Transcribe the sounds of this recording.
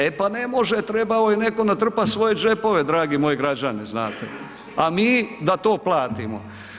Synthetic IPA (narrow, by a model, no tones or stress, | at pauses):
epane̞mo̞ʒet̪ɾebaojineko̞nat̪r̩pat̪sʋo̞je̞d͡ʒe̞po̞ʋed̪ɾaːɡimo̞jeɡɾad͡ʒaniznaːt̪ḛ | amiːd̪at̪oːplaːt̪imo̰